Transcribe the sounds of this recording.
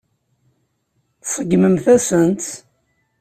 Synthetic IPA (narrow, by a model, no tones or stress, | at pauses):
θsˤəɡməmθæsənt̪